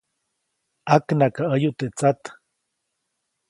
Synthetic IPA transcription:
aknakaʔəjuʔt̪eʔt͡sat̪

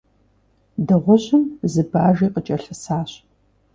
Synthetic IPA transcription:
dɨʁʷʊɕɪmzɨbaːʒiːqət͡ʃʼɐɬɐsaːɕ

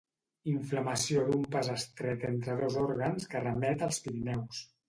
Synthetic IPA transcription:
iɱfləməsiod̪umpazəst̪ɾɛt̪ent̪ɾəðozɔɾɣənskərəmɛt̪əlˠspiɾinɛws

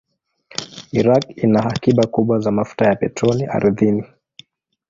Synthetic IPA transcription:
iɾakinahakiɓakuɓwazamafu̥tajapɛtɾɔniʔa̰ɾðini

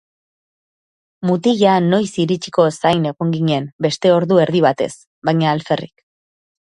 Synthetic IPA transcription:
mut̪iʝano̞jsiɾit͡ʃi̥ko̞sajne̞ɣoŋɡiɲembe̞st̪e̞o̞ɾðue̞ɾðiβat̪e̞̰s | bajɲaːlfe̞rḭk

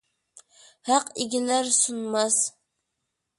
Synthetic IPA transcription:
hɑqɪɡʲilæɾsunmɑs

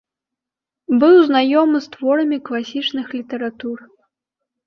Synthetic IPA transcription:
bɨwznajɔmɨst̪vɔɾɐmʲiklˠasʲit͡ʂnɨxlʲit̪ɐɾat̪ur

